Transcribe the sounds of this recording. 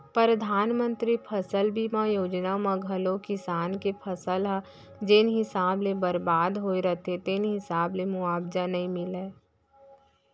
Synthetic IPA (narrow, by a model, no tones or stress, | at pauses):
pɾəd̪ʱaːnmə̃nt̪ɾipʰɐsəlbʱimãjoːd͡ʒnamãɡʱəlõkɪsaːnkepʰɐsəlɦa | d͡ʒɪnɦɪsaːblebəɾbaːd̪ɦoːiɾət̪ʰet̪ɪnɦɪsaːblemʊaːbd͡ʒanɐɦĩmɪleː